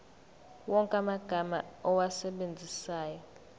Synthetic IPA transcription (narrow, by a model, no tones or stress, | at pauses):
wɔŋkʼamaɡ̥ʱama̰ɔwasɛɓend͡zʱisaːjɔ